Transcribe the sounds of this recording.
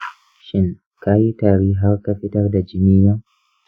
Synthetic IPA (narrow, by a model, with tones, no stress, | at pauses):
ʃɪ˦ŋ | ka˦ji˦taː˨ɾiː˦ɦa˦rka˦ɸɪ˦tɐ˦rda˨d͡ʒɪ˦mi˦jɔ˦ŋ